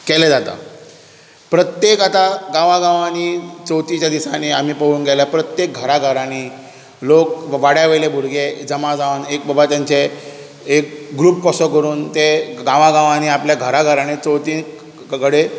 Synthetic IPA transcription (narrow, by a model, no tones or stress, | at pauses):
kɛled͡zat̪a̰ | pɾət̪jekat̪aɡãʋãɡãʋanit͡sɔwt̪it͡ɕjad̪isaneam̤iːpəɦuːnɡɛlapɾət̪jek̚ɡʱəɾaɡʱəɾãni | lok̚ʋaɽjaʋelebʱuɾɡed͡zəmad͡zanek̚bəbat̪jaɲt͡ɕe | ek̚ɡɾuːp̚kɔsɔkəɾuːnt̪eɡãʋãɡãʋañiapljaɡʱəɾaɡʱəɾanet͡sɔwt̪i | kəɽe